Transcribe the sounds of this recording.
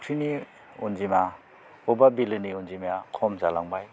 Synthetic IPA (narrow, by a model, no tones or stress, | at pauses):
kʰɾini | unzima | ɔbabilɯniɔnzimjakʰɔmzalaŋbaj